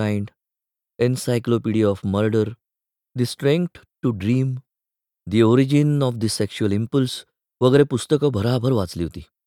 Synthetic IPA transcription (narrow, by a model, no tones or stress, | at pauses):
ajɳɖ | ensajklopiɽiɔfməɾɖəɾ | d̪isʈɾẽŋk̚ʈ | ʈːuɖɾiːm | d̪ioɾid͡ʑinɔfd̪isekɕuəlimpuls | ʋəɡəɾepust̪əkəbʱəɾabʱəɾʋat͡sliɦot̪iː